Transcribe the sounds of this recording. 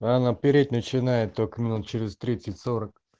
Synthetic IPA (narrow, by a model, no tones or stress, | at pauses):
anapʲɪɾʲet̪̚ʲnət͡ɕɪnajɪt̪ːokəmʲinut̪̚t͡ʃɪɾʲɪzt̪ɾʲit̪sətʲsoɾək̚